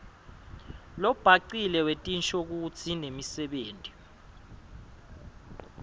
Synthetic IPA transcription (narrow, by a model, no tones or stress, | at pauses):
lɔb̥ʱaǀilɛwetʼint͡ʃʰʼok̬ut͡sʰinemisɛɓeːntʼi